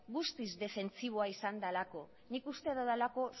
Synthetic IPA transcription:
ɡust̪izd̪e̞fe̞nt͡siβ̞o̞aisand̪alako̞ | nikust̪e̞ðoðalako̞

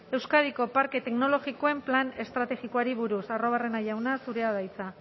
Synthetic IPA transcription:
e̞wskaðiko̞paɾke̞t̪e̞kno̞lo̞ɣiko̞e̞mplane̞st̪ɾat̪e̞ɣiko̞aɾiβuɾusaro̞β̞are̞naʝawnasuɾe̞að̞ajt͡sa

